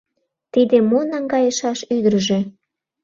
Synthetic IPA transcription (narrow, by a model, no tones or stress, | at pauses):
t̪id̪emonɑŋɡɑjəʃɑʃyd̪əɾəʒe